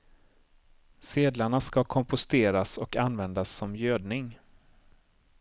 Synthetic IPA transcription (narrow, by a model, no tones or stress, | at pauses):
seːd̪laɳaskakʰɔmpʊst̪eːɾasɔkanːvɛnd̪asːɔmjøːd̪nɪŋ